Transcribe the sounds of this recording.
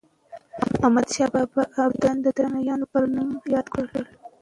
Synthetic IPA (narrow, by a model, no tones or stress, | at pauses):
amad̪ʃɑbɑbaʔabd̪and̪əd̪ɾanajɑnopəɾnumjɑd̪kɽəkəl